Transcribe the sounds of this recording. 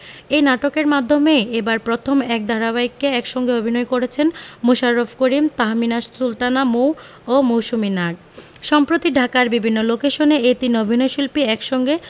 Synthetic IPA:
ejnaʈokeɾmad̪ʱːomeebaɾpɾot̪ʰomɛk̚d̪ʱaɾaβaikːeɛkʃɔŋɡeobʱinɔjkoɾet͡ɕʰenmoʃaɾːofʰkoɾimt̪aɦminassult̪anamow | omowʃuminaʈ̚ | ʃɔmpɾot̪iɖʱakaɾbibʱinːolokeʃoneet̪inobʱinɔjʃulpiɛkʃɔŋɡe

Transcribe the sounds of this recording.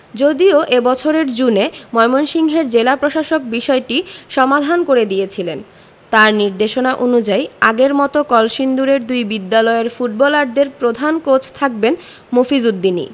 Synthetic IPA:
d͡ʑod̪ioʔebɔt͡ɕʰoɾeɾd͡ʑunemɔemonʃiŋɦeɾd͡ʑelapɾoʃaʃok̚biʃɔeʈiʃɔmad̪ʱankoɾed̪ijet͡ɕʰilen | t̪aɾniɾd̪eʃonaʔonud͡ʑajaɡeɾmɔt̪okɔlʃind̪uɾeɾd̪ujbid̪ːalɔeɾfuʈ̚bɔlaɖd̪eɾpɾod̪ʱankot͡ɕʰt̪ʰak̚ben | mofizud̪ːinḭ

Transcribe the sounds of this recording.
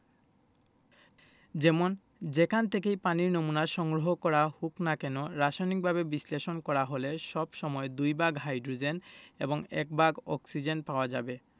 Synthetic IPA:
d͡ʑɛmon | d͡ʑekʰant̪ʰekejpaniɾnomunaɾʃɔŋɡɾoɦokɔɾahuknakɛnoɾaʃajnik̚bʱabebisleʃonkɔɾaɦoleʃɔbʃɔmɔed̪ujbaɡɦajɖɾud͡ʑenḛboŋɛ̰k̚baɡɔ̰ksid͡ʑenpaoad͡ʑa̰be

